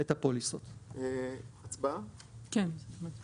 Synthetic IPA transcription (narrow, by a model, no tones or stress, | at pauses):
et̪apolisot̪eat͡sbakenma